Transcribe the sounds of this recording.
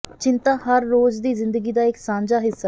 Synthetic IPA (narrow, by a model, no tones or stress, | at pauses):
t͡ʃɪ̃nt̪aːhəɾːoːd͡ʒd̪iːzɪ̃nd̪əɡiːd̪aːɪksãːɲd͡ʒaːɦɪsːa